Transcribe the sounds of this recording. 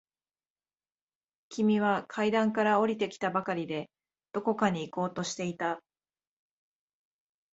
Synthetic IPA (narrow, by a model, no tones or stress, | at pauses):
kʲimʲiβ̞akʰaid̪ãŋkaɾao̞ɾʲit̪e̞kʲi̥t̪abakaɾʲid̪e̞ | d̪̥o̞ko̞kaɲ̟iːko̞ːt̪o̞ɕi̥t̪e̞it̪a